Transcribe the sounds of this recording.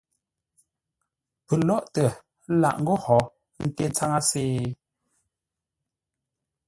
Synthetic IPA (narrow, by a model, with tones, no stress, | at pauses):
pə˨lɔ˦ʔtə˨˦ | la̰˨ʔŋ̩˦ɡɔ˦hɔ˨˦ | n̩˨te˦t͡sa˦ŋa˦seː˦˨